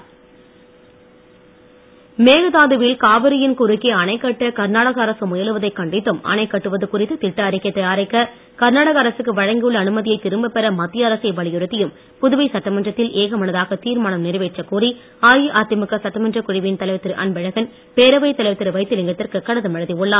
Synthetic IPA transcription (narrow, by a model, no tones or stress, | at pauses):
meːɣɯðaːðɯʋɪlkaːʋɐɾɪjɪnkʊɾɯkːeɐnɐɪkːɐʈːɐkɐɾnaːɽɐɣɐːɾɐsɯmʊjɐlɯʋɐðɐɪkːɐɳɖɪt̪ːɯmɐ̰nɐɪkːɐʈːɯʋɐðɯkʊrɪt̪ːɯt̪ɪʈːɐːɾɪkːɐt̪ːɐjaːɾɐɪkːɐ | kɐɾnaːɽɐɣɐːɾɐsɯkːɯʋɐɻɐŋɡɪjɯɭːɐːnɯmɐðɪjɐɪt̪ːɪɾɯmbɐpːɛɾɐmɐt̪ːɪjɐːɾɐsɐɪʋɐɭɪjɯɾɯt̪ːɪjɯm | pʊðɯʋɐɪsɐʈːɐmɐndrɐt̪ːɪleːɣɐmɐnɐðaːɣɐt̪iːɾmaːnɐmnɪɾʋeːʈt͡ʃːɐkuːri | aːjiʔaːɾt̪ɪmɯkːɐsɐʈːɐmɐndrɐkʊɻɪʋɪnt̪ɐlɐɪʋɐt̪ːɪɾʔɐ̰nbɛɻɐɣɐn | peːɾɐʋɐɪt̪ɐlɐɪʋɐt̪ːɪɾɯʋɐɪt̪ːɯlɪŋɡɐt̪ːɪrkɯkːɐɽɐðɯmɐɻɐðiɔɭːaː